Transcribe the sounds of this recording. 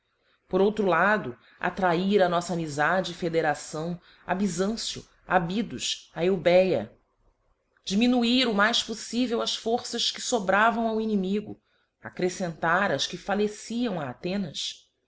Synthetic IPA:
poɾowt̪ɾulad̪ʊ | a̰t̪ɾaiɾɐnɔsɐaːmizad͡ʒɪːfed̪eɾasɐ̃w̃ | a̰bizɐ̃sjʊ̰ | abid̪ʊʃaewbɛjɐ̰ | d͡ʒiminuiɾʊmajʃposivewɐʃfoɾsɐʃkɪsobɾavɐ̃w̃awinimiɡʊ̰ | a̰kɾesẽnt̪aɾɐʃkɪfalesiɐ̃w̃aːt̪ẽnɐs

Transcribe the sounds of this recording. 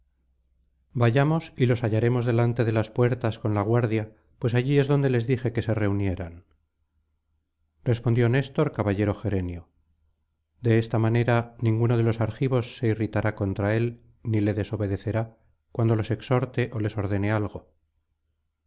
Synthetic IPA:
baʝamo̞silo̞saʝaɾe̞mo̞zðe̞lant̪e̞ðe̞laspwe̞ɾt̪asko̞nlaɣ̞waɾðja | pwe̞saʝie̞zðo̞nd̪e̞le̞zðixe̞ke̞se̞re̞unje̞ɾan | rre̞spond̪jone̞st̪o̞ɾkaβaʎe̞ɾo̞xe̞ɾe̞njo | d̪e̞est̪amane̞ɾanĩŋɡuno̞ðe̞lo̞saɾxiβo̞sːe̞irit̪aɾako̞nt̪ɾae̞l | nile̞ðe̞so̞βe̞ðe̞θe̞ɾa | kwand̪o̞lo̞se̞kso̞ɾt̪e̞ʔole̞so̞ɾðe̞ne̞alɣo̞

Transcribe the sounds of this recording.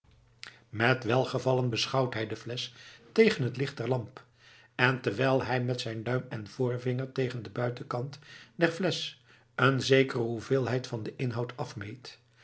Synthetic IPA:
mɛtʋɛlˠχəvɑlənbəsχɑwtɦɛjdəflɛstejχənɦətlɪχt̚dɛɹlɑmp | ɛntəɹʋɛjlˠɦɛjmɛtsɛjndœɥmɛnv̥ʊːɹvɪŋəɹtejχəndəbœɥtəkɑntdɛɹflɛs | ənzejkərəɦuvɪːlˠɦɛjtfɑndəʔɪnɦɑwtɑfmejt

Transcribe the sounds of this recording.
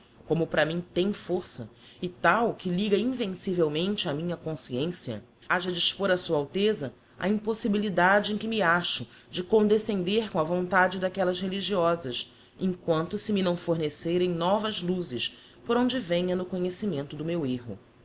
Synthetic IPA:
kõmʊpɾɐmĩt̪ẽj̃foɾsɐ | ɪt̪awkɪliɡɐĩvẽsivewmẽnt͡ʃɪɐmĩɲɐkõsiẽsiɐ̰ | aʒɐd͡ʒiʃpoɾɐsuɐawt̪ezɐ | ɐ̰ĩposibilid̪ad͡ʒɪẽj̃kɪmɪaʃʊ | d͡ʒɪkõnd̪esẽnd̪eɾkõɐvõnt̪ad͡ʒɪd̪akɛlɐzheliʒiɔzɐʃ | ẽŋkwɐ̃nt̪ʊsɪminɐ̃w̃foɾneseɾẽj̃nɔvɐzluzɪʃ | poɾõw̃d͡ʒɪvẽɲɐnʊkoɲesimẽnt̪ʊd̪ʊmeweɦʊ̰

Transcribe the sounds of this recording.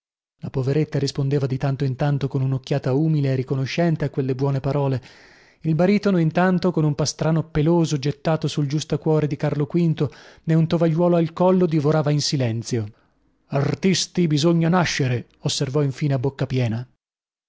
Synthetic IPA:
lapoveɾet̪ːaɾispond̪eːvad̪it̪ant̪oint̪ant̪okonunokːjaːt̪auːmileːrikonoʃːɛnt̪eakːwelːebwɔːnepaɾɔːle | ilbaɾiːt̪onoint̪ant̪okonumpast̪ɾaːnopeloːzod͡ʒet̪ːaːt̪osuld͡ʒust̪okwɔːɾed̪ikarlokwint̪oneunt̪ovaʎːwɔːloalkɔlːod̪ivoɾaːvainsilɛnt̪sjo | art̪ist̪ibizoɲːanaʃːeɾe | osːervɔiɱfiːneabːokːapjɛːna

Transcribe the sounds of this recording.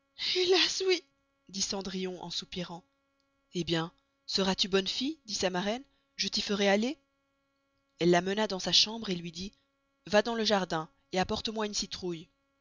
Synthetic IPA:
elaswi | d̪isɑ̃d̪ʁijɔ̃ʔɑ̰̃supiʁɑ̃ | ebjɛ̃ | səʁat̪ybɔnfijd̪isamaʁɛn | ʒət̪ifəʁɛale | ɛlːamənad̪ɑ̃saʃɑ̃bʁelɥid̪i | vad̪ɑ̃ləʒaʁd̪ɛ̃ | eapɔʁt̪əmwaynsit̪χuj

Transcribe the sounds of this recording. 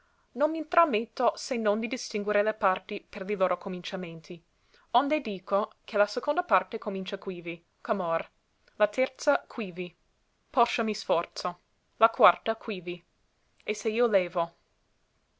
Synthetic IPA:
nonmint̪ɾamːet̪ːosenːond̪id̪ist̪iŋɡweɾelepart̪iperliloːɾokʰomint͡ʃament̪ʰi | ond̪ed̪iːkʰokʰelasekond̪apart̪ekomint͡ʃakwiːvi | kamor | lat̪ʰɛrt̪sakʰwiːvi | pɔʃːamisfɔrt̪so | lakwart̪akʰwiːvi | eseiːoleːvo

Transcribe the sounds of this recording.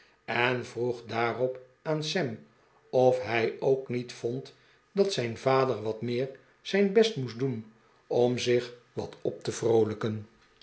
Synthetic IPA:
ɛnvruχdaːrɔp | aːnsɛm | ɔfɦɛjowknitfɔnt | dɑtsɛjnvaːdəɹʋɑtmɪːɹ | z̥ɛjnbɛstmusdun | ɔmzɪχ | ʋɑ̰tɔp̚təv̥rowləkən

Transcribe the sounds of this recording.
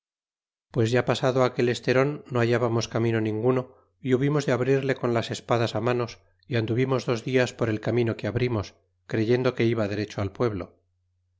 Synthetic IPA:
pwe̞zʝapasaðoake̞le̞st̪e̞ɾo̞nːoaʝaβamo̞skamĩno̞nĩŋɡuno̞ | iuβimo̞zðe̞aβɾiɾle̞ko̞nlase̞spaðasamano̞s | iand̪uβimo̞zðo̞zðiaspoɾe̞lkamĩno̞keaβɾimo̞s | kɾe̞ʝe̞nd̪o̞ke̞iβ̞aðe̞ɾe̞t͡ʃoalpwe̞βlo̞̰

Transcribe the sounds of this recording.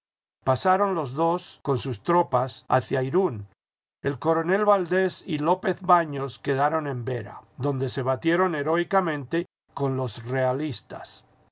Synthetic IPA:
pasaɾo̞nlo̞zðo̞sko̞nsust̪ɾo̞pasa̰θjajɾun | e̞lko̞ɾo̞ne̞lβald̪e̞silo̞pe̞θβaɲo̞ske̞ðaɾo̞nẽ̞mbe̞ɾa̰d̪o̞nd̪e̞se̞βat̪je̞ɾo̞ne̞ɾo̞ikamẽ̞nt̪e̞ | ko̞nlo̞sre̞alist̪ḁ̰s

